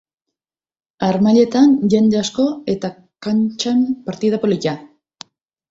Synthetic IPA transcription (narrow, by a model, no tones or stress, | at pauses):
aɾmaʎe̞t̪anʝe̞nd̪easko̞e̞t̪a | kant͡ʃampaɾt̪iðapo̞lica